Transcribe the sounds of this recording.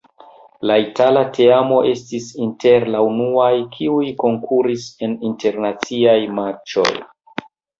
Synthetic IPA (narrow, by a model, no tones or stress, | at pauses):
laitalate̞amo̞ʔe̞stisinte̞ɾlaunuajkʰiujko̞ŋkʰuɾise̞ninte̞ɾnat͡siajmat͡ʃo̞̰j